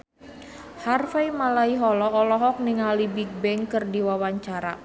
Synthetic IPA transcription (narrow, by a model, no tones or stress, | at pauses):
harfaimalaiɦɔlɔɔlɔɦɔk̚niŋalibik̚bɛŋkɨrdiwawaɲt͡ʃaɾa